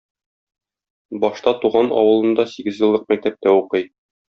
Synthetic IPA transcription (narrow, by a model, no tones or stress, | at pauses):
bɒʃt̪ɑt̪uʁɑnɒ̰wɤ̆lˠɤ̆nd̪ɑsiɡɘzjɤ̆lˠːɤq̚mæk̚t̪æp̚t̪æuqɤj